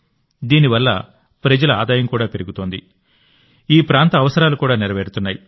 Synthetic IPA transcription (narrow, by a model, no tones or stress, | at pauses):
d̪iːniʋɐlːɐ | pɾɐd͡ʒɐlɐaːd̪aːjɐmkuːɽaːpe̞ɾiɡut̪o̞ːnd̪i | iːpɾaːnt̪ɐːʋɐsɐɾaːlukuːɽaːniɾɐʋeːɽut̪unːaːji